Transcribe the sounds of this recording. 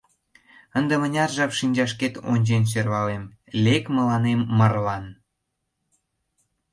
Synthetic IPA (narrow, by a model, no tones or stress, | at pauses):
ənd̪ĕmənʲɑrʒɑpʃinʲd͡ʑɑʃ̬ket̪o̰nʲd͡ʑenɕ̬ørβɑlem | lʲekmə̆lɑnemːərlɑn